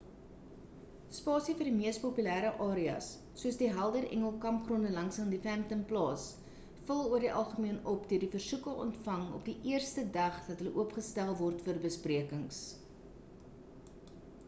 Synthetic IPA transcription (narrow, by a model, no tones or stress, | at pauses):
spɑːsifərdimiəspopylæːɾəʔɑːɾiɐ̰sː | uəsdiɦælˠdərʔɛ̰ŋəlˠkɐmpχrɔndəlɐŋsəndifæmtəmplɑːs | fəlˠuərdiʔɐlˠχəmiənɔpdøərdifərsukəʔɔ̰ntfɐŋɔ̰pdiʔiərstədɐχd̥ɐtɦələʔuəpχəstælˠvɔrtfərbəspriəkəŋs